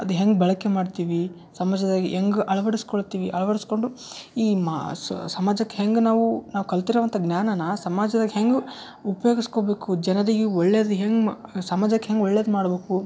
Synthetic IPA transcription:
ɐd̪uɦeŋɡbɛɭɐkːemaːɖt̪iːʋi | sɐmaːd͡ʒɐd̪aɡiɦeŋɡuʔɐɭɐʋɐɽiskoɭt̪iːʋiʔɐɭɐʋɐɽisko̞ɳɖuiːmasɐmaːd͡ʒɐkːeɦeŋɡnaːʋunaːʋukɐlt̪iɾuʋɐnt̪ʰɐɡnjaːnɐnɐsɐmaːd͡ʒɐd̪ɐːɡiɦeŋɡu | upɐjoːɡisko̞be̞ːkud͡ʒɛnɐɾiɡeɔɭːeːd̪uɦeŋɡsɐmaːd͡ʒɐkːeɦeŋɡɔɭːeːd̪maːɽbe̞ːku

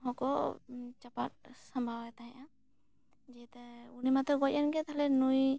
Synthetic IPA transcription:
ɦɔkɔt͡ʃapat̚sambʱawɛt̪aɦɛ̃ʔã | d͡ʒɛt̪ɛunimat̪ɾɔɡɔt̚anɡɛt̪alɛnuj

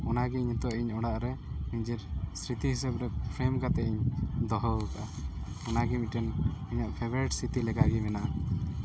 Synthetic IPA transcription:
ɔnaɡɛɲɔt̪ɔʔiɲɔɽaʔɾɛniɲd͡ʒɛɾsɾit̪iɦisɛbɾɛpʰɾɛmkat̪ɛʔiɲd̪ɔɦɔwkaʔa | ɔnaɡɛmit̪̚ʈɛnɔɲaʔpʰebɾɛʈsit̪ilɛɡaɡimɛna

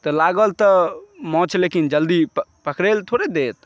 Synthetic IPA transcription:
t̪əlaɡəlt̪ɔmɔ̃t͡ʃʰlekind͡ʒəld̪ipəkɾelt̪ʰoɾed̪et̪

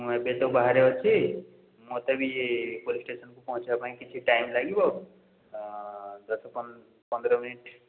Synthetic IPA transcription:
mɛ̃bet̪əbaɦaɾeɦot͡ʃʰi | mot̪əbʱijepolisʈesənkopɔɦũt͡ʃbãikit͡ʃʰiʈajimlaːɡibo | d̪əsp | pə̃nd̪ɾəminiʈ

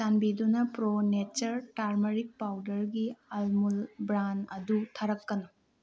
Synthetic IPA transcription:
anbidunɐpɾonet͡ʃɐɾʈaɾmɐɾik̚pawdɐɾɡiɐlmulbɾanɐdutʰɐɾɐkːɐnɐ

